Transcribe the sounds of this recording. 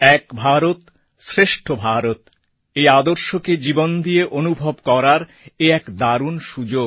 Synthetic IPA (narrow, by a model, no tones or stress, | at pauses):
ɛkbʱaɾot̪ | sɾeʃʈʰobʱaɾot̪ | ejad̪oɾʃoked͡ʑibond̪ieʔonubʱobkɔɾaɾ | eɛkd̪aɾunʃud͡ʑo